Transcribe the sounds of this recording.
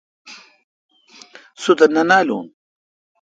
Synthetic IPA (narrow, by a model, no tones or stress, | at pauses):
sut̪ɐnɐnaːlṵːn